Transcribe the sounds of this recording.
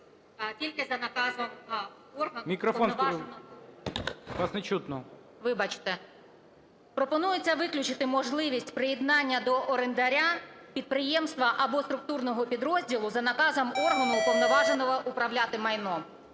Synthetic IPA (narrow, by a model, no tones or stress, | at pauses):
tʲilʲkɪzɐnɐkɑzɐm | ɔrɦɐmʲikɾɔfɔnsk | ʋɑsnɛt͡ʃut̪nɔ | ʋɪbɑt͡ʃɪ̥t̪ɛ | pɾɔpɔnujet͡sʲːɐʋɪklʲʊt͡ʃɪt̪ɪmɔʒlˠɪʋʲisʲtʲpɾɪjɛd̪nɑnʲːɐd̪ɔʔɔɾend̪ɐɾʲapʲid̪̚pɾɪjɛmst̪ʋɐʔɐbɔst̪ɾʊk̚t̪urnɔɦɔpʲid̪ɾɔzʲdʲilˠʊzɐnɐkɑzɐmɔrɦɐnʊpɔʋnɔʋɑʒenɔʋɔʔʊpɾɐwlʲat̪ɪmɐjnɔ